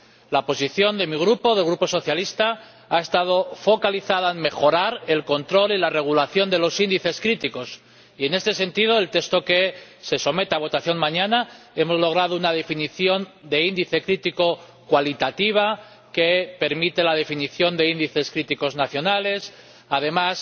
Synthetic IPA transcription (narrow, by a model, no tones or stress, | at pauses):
lapo̞siθjo̞nd̪e̞miɣ̞ɾupo̞ðe̞lɣɾupo̞so̞θjalist̪a | ae̞st̪að̞o̞fo̞kaliθað̞aenme̞xo̞ɾaɾe̞lko̞nt̪ɾo̞lilare̞ɣ̞ulaθjo̞nd̪e̞losind̪iθe̞skɾit̪iko̞s | ie̞ne̞st̪e̞se̞nt̪iðo̞elt̪e̞kst̪o̞ke̞se̞so̞me̞t̪aβ̞o̞t̪aθjo̞ŋmãɲana | e̞mo̞zlo̞ɣ̞ɾaðounað̞e̞finiθjo̞nd̪e̞ind̪iθe̞kɾit̪iko̞ | kwalit̪at̪iβ̞a | ke̞pe̞ɾmit̪elað̞e̞finiθjo̞nd̪e̞ind̪iθe̞skɾit̪iko̞znaθjo̞nale̞s | aðe̞mas